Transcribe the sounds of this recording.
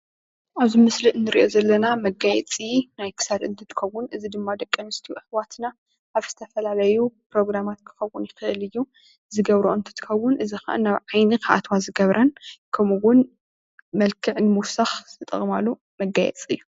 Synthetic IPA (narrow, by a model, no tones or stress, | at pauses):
ʔaβzimɨsliʔɨnːɨɾiʔo̞zɐlːɐnamɐɡajɛt͡sʼinajkʰɨ̥sad̪ɨnt̪ʰɨt̪ʰɨ̥xɐwːʊnɨzid̪ɨmːad̪ɐkʼːɨnɨst̪ʰiɨħwat̪na | ʔaβz̥ɨt̪ʰɐfɐlalɐjupɾo̞ɡɾamat̪kʰɨ̥xɐwːʊnjɪxɨʔɨlɨjːu | zɨɡɐβɾoʔɨnt̪ʰɨ̥t̪ʰɨ̥xɐwːʊnʔɨzixɐʔɨ̰nːaβʕajnɨkʰaʔa̰t̪ʰwazɨɡɐβɾʔɐnkʰɐmuwʊn | mɐlkʰɨʕnɨmuwsaxt̪ʰɨt̪ʼɨ̰ɣʼɨmalːu | mɐɡajɛ̰t͡sʼɨ̰jːu